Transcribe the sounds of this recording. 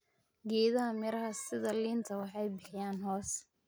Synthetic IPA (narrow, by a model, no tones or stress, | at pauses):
ɡɛːðɐɦɐmɪɾɐɦɐsɪðɐliːnt̪ʰɐwɑħɑjbɪħɪjaːnɦɔːs